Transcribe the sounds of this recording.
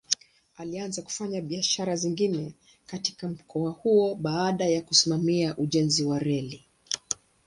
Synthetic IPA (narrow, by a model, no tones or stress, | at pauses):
alianzaku̥faɲaɓiaʃaɾaziŋɡinɛ | kati̥kam̩kɔahuɔɓaaɗajakusimamiaʔuʄɛnziwaɾɛli